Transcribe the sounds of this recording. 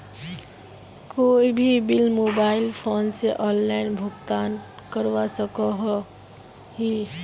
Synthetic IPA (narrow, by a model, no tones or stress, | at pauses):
koibʱibilmobaɪlpʰonseʔɔnlaɪnbʱʊɡt̪an | kəɾwasəkɔɦ | ɦi